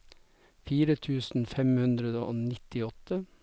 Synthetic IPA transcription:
fiːɾət̪ʰʉːsn̩fɛmhʉnd̪ɾəd̪əʔo̰ːnɪt̪ɪɔt̪ə

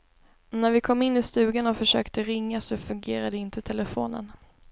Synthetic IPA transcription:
næɾvɪkʰɔmːɪnːɪst̪ʉ̟ːɡanɔfœʂø̰ːkt̪əɾɪŋːasɔfɵŋɡeːɾad̪əɪnt̪ʰət̪ʰɛləfoːnə̰n

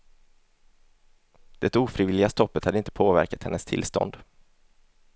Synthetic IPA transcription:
d̪̥ɛt̪uːfɾiːvɪlɪɡast̪ɔpːət̪had̪əɪnt̪ə̥pʰoːvæ̰ɾkat̪hɛ̰nːəst̪ʰɪ̰lst̪ɔ̰nd̪

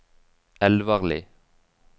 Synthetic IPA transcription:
ɛlʋɑʁlɪ̰

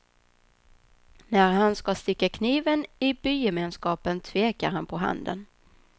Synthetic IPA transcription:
næɾɦanskast̪ɪkːakʰniːvənɪbyːjɛmeːnskɑːpənt̪ʰveːka̰ɾhanpʰɔɦa̰nd̪ə̰n

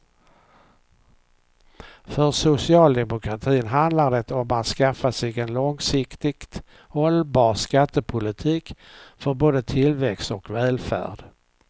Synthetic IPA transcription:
fœɾʂʊsɪɑːld̪ɛmʊkʰɾat̪ʰiːnɦand̪laɾɖ̪ɛt̪ɔmat̪skafːasɛɡɛnlɔŋsɪkt̪ɪkt̪ | hɔlbɑːɾskat̪ːəpʰʊlɪt̪ʰiːkfœɾboːd̪ət̪ʰɪlvɛkst̪ɔkvɛːlfæ̰ːɖ̥

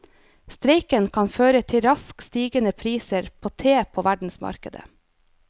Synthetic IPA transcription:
st̪ɾeɪkənkʰɑnføːɾət̪ʰɪɾɑskst̪iːɡənəpʰɾiːsəɾpʰoːt̪ʰeːpʰoːʋæɖɳ̩smɑ̰ɾkəd̪ə̰

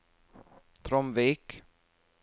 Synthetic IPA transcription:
t̪ʰɾɔmviːk

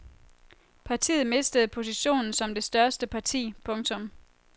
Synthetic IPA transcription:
pʰɑ̈t͡sʰḭːð̩ˠme̝sd̥əð̞̩ˠpʰo̝s̬iɕo̝̰ːnn̩sɒ̽md̥e̝sd̥ɶɐsd̥əpʰɑ̈t͡sʰḭːpʰɔ̽ŋt͡sʰɔ̽m

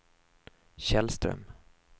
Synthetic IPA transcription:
ɕɛlst̪ɾœ̰m

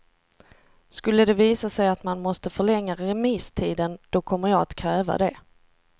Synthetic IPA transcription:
skɵlːəd̪ɛviːsasɛjat̪manmɔst̪əfœɭɛŋːaɾɛmist̪ʰiːd̪ənd̪̥ɔkʰɔmːəjɑːat̪kʰɾɛːva̰d̪ɛ̰

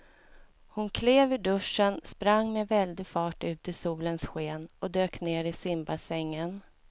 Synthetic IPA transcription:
hʊnkʰleːvɵɖɵʂənspɾaŋːmɛvɛld̪ɪfɑːʈʉ̟ːt̪ɪsuːlənsɧeːnɔd̪øːkneːɾɪsɪmbasɛŋːən

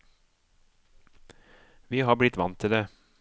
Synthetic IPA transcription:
ʋiːhɑːblɪt̪ʋɑnt̪ʰːɪleː

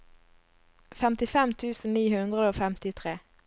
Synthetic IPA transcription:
fɛmt̪ɪfɛmt̪ʰʉːsn̩niːhʉnd̪ʁəd̪əoːfɛmt̪ɪt̪ʰʁeː

